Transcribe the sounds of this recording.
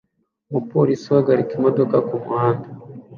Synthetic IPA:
mupoɾisiwaɡaɾikimodo̞kakumṵhaːnda

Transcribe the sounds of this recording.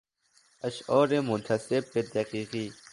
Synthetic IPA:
ɐɕoːɾemunt̪ʰɐseb̚ːed̪ɐqiːqiː

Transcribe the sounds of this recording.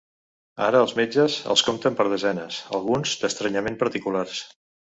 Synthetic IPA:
a̰ɾəːlˠzmed͡ʒəzə̰lˠskomt̪əmpəɾð̞əzɛnəsə̰lˠɣunzd̪əst̪ɾəɲəmempəɾt̪ikulars

